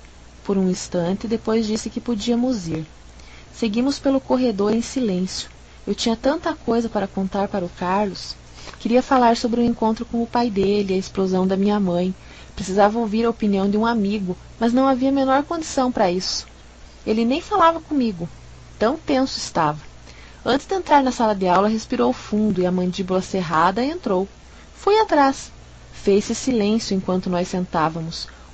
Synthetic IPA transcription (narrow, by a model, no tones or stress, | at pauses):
poɾũĩst̪ɐ̃nt̪ɪd̪epojzd͡ʒisɪkɪpod͡ʒiɐmʊziɾ | seɡĩmʊspelʊkoɦed̪oɾẽj̃silẽsjʊ̥ | ewt͡ʃĩɲɐt̪ɐ̃nt̪ɐkojzɐpaɾɐkõnt̪aɾpaɾɐʊkaɾlʊs | kɪɾiɐfalaɾsobɾɪʊẽŋkõnt̪ɾʊkõw̃ʊpajd̪elɪɐesplozɐ̃w̃d̪ɐmĩɲɐmɐ̃j̃ | pɾesizavɐowviɾɐopiniɐ̃w̃d̪ɪũamiɡʊ | mɐznɐ̃w̃aviɐmenɔɾkõnd͡ʒ̪isɐ̃w̃pɾɐisʊ̥ | elɪnẽj̃falavɐkõmiɡʊ | t̪ɐ̃w̃t̪ẽsʊɪst̪avɐ | ɐ̃nt̪ɪzd̪ɪẽnt̪ɾaɾnɐsalɐd̪ɪawlɐɦespiɾowʊfũnd̪ʊɪɐmɐ̃nd͡ʒibʊlɐseɦad̪ɐẽnt̪ɾow | fujat̪ɾas | fejsɪsilẽsjʊẽkwɐ̃nt̪ʊnɔjsːẽnt̪avɐmʊs